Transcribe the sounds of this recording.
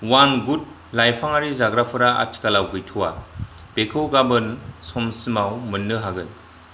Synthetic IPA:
wanɡut̚ | lajpʰaŋaɾizaɡɾapʰɯɾaa̰tʰi̥kalawɡɯjtʰuwa | b̥ekʰɯwɡabɯnsɔmsɯmawmɯnːɯɦaɡɯn

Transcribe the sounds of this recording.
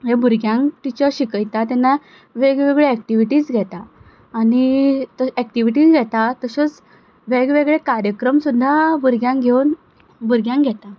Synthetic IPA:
ɦebuɾɡjãŋkʈ̪it͡ɕəɾɕikəjt̪at̪ɛna | ʋeɡʋeɡɭeɛkʈiʋiʈiːd͡zɡʱɛt̪aː | nit̪əɛk̚ʈiʋiʈiːt͡sɡʱɛt̪at̪əsət͡s | ʋeɡʋeɡɭekaɾjəkɾəmsud̪ʱːabuɾɡjãŋkɡʱewn | buɾɡjãŋɡʱɛt̪a

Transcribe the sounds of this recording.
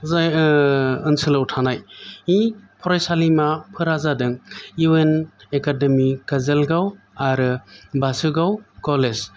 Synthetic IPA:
zaj | ɯnsɯlawtʰanajipʰɔɾajsalimapʰɯɾazadɯŋuwenekademikazelɡaw | aɾɯbasɯɡawkɔlez

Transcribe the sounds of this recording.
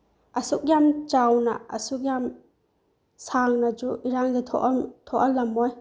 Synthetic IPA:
ɐsuk̚jamt͡ʃawnɐ̰ɐ̰suk̚jam | saŋnɐd͡ʒuiɾaŋdatʰɔ̰ʔtʰɔʔɐlɐmoj

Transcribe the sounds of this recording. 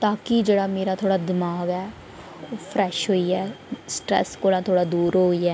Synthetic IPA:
t̪aːkɪd͡ʒeːɽaːmeːɾaːt̪ʰoːɽaːd̪ɪmaːɡɛː | pʰɾɛːʃɦoːiːɛːsʈɾɛ̰ːskoːlãːt̪ʰoːɽaːd̪uːɾɦoːiːɛː

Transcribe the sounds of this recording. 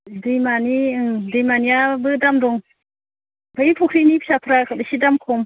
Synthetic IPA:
dimanidimanijabɯdamdɔŋ | bʰaipʰukʰɾinipʰsapʰɾakʰɯdisidamkʰɔm

